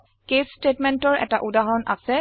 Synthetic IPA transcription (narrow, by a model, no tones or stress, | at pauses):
kestetmɛntɔɹɛ̰taʔudaɦɔnʔa̰sɛ